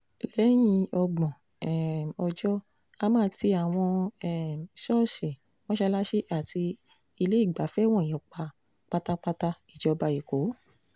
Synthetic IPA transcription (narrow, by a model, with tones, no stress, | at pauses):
lɛ˨˦j̃ĩ˧ɔ˧ɡ͡bɔ̃˨ | ɛ˨mɔ˧d͡ʒɔ˦ | a˧˦mãː˦ti˧a˨w̃ɔ̃˧ɛ˦˨m˨ʃɔ˦˨ʃe˨ | w̃ɔ̃˦ʃɛ˧˦la˦ʃe˦ʔa˦˨tʰi˧ | i˧le˦i˦˨ɡ͡ba˨˦fɛ˦w̃ɔ̃˦˨˦k͡pa˧ | k͡pa˦ta˦˧k͡pa˧ta˧i˨d͡ʒɔ˨˧ba˧i˨ko˨˦